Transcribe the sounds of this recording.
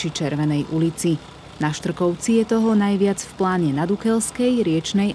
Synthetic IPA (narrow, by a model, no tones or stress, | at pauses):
t͡ʃit͡ʃɛɾʋɛnɛjʔulit͡si | naʃt̪r̩kɔʊt͡sijɛt̪ɔɦɔnajʋɪad͡zfplaːɲɛnad̪ukɛlskɛjɾɪɛt͡ʃnɛj